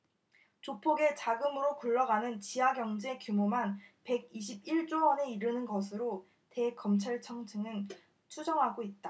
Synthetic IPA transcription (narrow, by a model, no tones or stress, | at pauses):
t͡ɕopʰoɡe̞t͡ɕaɡɯmɯɾokuɭːʌɡanɯnt͡ɕiaɡjʌŋd͡ʑe̞kjumomanpe̞ɡiɕʰib̚iɭt͡ɕ͈oʌne̞iɾɯnɯnɡʌs̬ʰɯɾo | te̞kʌmt͡ɕʰaɭt͡ɕʰʌŋd͡ʑʰɯŋɯn | t͡ɕʰud͡ʑʌŋɦaɡoit̚t͈a